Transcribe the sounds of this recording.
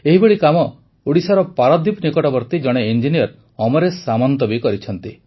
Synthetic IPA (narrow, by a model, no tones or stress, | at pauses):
eɦibeɭikamɔ | uɽisaɾɔpaɾɔd̪ipnikɔʈɔbɔɾt̪id͡ʒɔɽ̃eind͡ʒinijɔɾ | ɔmɔɾesamɔnt̪ɔbikɔɾit͡ʃʰɔnt̪i